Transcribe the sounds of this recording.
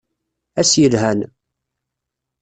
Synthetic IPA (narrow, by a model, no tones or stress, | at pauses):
æsjəlɦæn